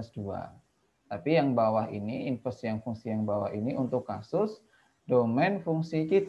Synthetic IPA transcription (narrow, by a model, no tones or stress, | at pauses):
əsdua̰ | t̪apijaŋbawaɦḭniinfɛstjaŋfuŋsijaŋbawa̰ɦiniʔunt̪ʊkːa̰sʊs | domɛnfuŋsikit̪